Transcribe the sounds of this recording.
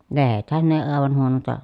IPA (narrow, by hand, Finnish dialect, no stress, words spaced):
lehethæn ne eː ɑˑeʋɑn huonontɑ